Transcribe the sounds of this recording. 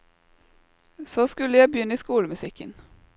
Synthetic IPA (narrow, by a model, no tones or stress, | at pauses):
soːskʉlːəjæɪbjʏnːəiːskuːləmʉsɪkːən